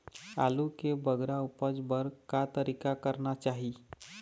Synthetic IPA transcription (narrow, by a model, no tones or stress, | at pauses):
a̰lukebəɡɾaupəd͡zbəɾkat̪əɾikakəɾnat͡ʃaɦi